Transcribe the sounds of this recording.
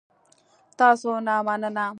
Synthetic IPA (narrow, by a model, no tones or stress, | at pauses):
t̪asonamanana